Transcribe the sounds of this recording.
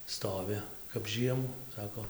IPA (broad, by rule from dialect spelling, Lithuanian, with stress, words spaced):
ˈstoːʋʲʊ kɐp ˈʒʲiɛmʊ ˈsɑːkoː